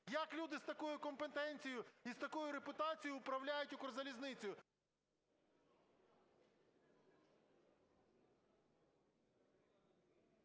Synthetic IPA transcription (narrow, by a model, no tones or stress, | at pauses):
jɐklʲud̪ɪst̪ɐkujʊkɔmpet̪ɛnʲt͡sʲijʊist̪ɐkujʊɾepʊt̪ɑt͡sʲijʊʊpɾɐwlʲajʊtʲʊkɔɾzɐlʲiznɪt͡sʲʊj